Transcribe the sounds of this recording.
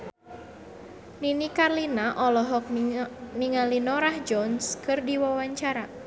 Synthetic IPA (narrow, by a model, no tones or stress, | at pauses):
ninikarlinaʔɔlɔɦɔk̚niŋalinɔɾahd͡ʒɔnskɨrdiwawaɲt͡ʃaɾa